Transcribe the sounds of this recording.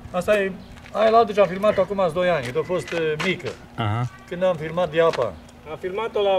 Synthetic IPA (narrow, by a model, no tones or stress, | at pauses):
ast̪aje | ajelalt̪ət͡ʃamfilmat̪oakumasd̪o̞janʲd̪ofo̞st̪mikə̰ | aɦakɨnd̪amfilmat̪̚d̪iapa̰ | afilmat̪ola